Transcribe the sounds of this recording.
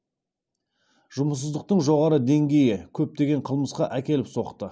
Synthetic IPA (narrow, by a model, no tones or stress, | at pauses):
ʒ̥ʊməs̬əzd̪əq̚t̪əɴʒo̞ʁɑɾəd̪e̞ŋɡʲe̞jɪkʲʰɵp̚t̪e̞ɡʲe̞ɴqʰəlˠməsqɑʔækʲe̞lɪpso̞qt̪ə